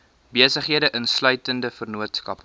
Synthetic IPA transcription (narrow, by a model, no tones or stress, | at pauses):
biəsəχɦiədəʔənslœɥtəndəfərnuətskɐp